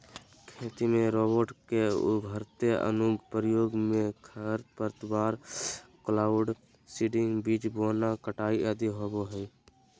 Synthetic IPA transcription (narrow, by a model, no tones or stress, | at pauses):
kʰeːt̪imẽɾoːbəɾʈkeʊ̰bʱəɾt̪eə̰nʊɡpɾjoːɡmẽkʰəɾpəɾt̪baːɾklaːʊɖ | siːɖɪ̃ŋɡbiːt͡ʃboːnakəʈaːiʔəd̪iɦoːboɦɛ